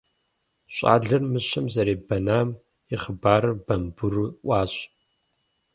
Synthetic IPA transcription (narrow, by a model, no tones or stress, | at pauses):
ɕʼa̰ːɮɨrmɨɕɐmzɐɾeːbɐnaːm | ɪχəbaːɾɨbɐmbʊruʔʷaːɕʼ